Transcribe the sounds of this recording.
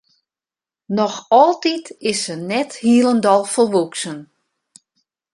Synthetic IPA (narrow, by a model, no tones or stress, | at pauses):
nɔxɔlˠtitɪsənɛthiəlˠəndɔlˠfərʋuksən